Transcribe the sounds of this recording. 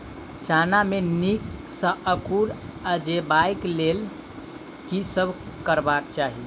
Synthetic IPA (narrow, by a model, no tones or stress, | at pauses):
t͡ʃanamenik | sə̃ʔəkuɾəd͡ʒebaiklel | kisəbʱkəɾbakt͡ʃaɦi